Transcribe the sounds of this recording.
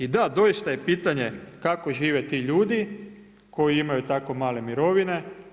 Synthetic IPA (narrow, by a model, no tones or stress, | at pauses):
id̪ad̪o̞ist̪aje̞piːt̪aɲe̞kako̞ʒiːʋet̪iːʎuːd̪i | ko̞jiimajut̪ako̞maːle̞miɾo̞ʋine̞